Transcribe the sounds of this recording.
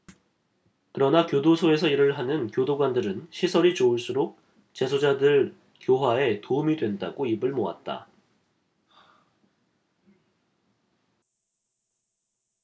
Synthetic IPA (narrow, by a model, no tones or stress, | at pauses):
kɯɾʌnakjodosʰoe̞sʰʌiɾɯɭɦanɯnkjodoɡwandɯɾɯnɕʰisʰʌɾit͡ɕouɭs͈uɾok̚ | t͡ɕe̞sʰod͡ʑadɯɭ | kjoɦwae̞toumidwe̞ndaɡoibɯɭmoa̰t̚t͈a̰